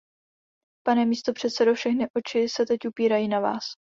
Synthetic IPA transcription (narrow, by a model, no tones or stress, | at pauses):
panɛmiːst̪o̞pr̥ɛt̪sɛdo̞fʃɛxnɪʔo̞t͡ʃɪsɛt̪ɛcupiːɾajiːnava̰ːs